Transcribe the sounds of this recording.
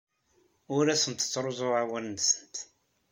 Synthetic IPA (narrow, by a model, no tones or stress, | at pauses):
ʊɾæsənt̪ə̥t͡sːɾˤozˤʊʕawænnsə̥nt̪